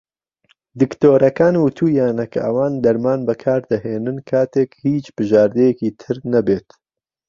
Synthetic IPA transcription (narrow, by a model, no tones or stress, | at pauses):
d̪ɨkt̪oːɾɐkaːnwut̪ʰuːjaːnɐkʰʔɐ̰waːnd̪ɐɾmaːnbɐkʰaːɾd̪ɐɦeːnɨnkʰaːt̪eːkhiːt͡ʃb̥ɨʒaːɾd̪ɛjɛkiːt̪ʰɨɾnɐbeːt̪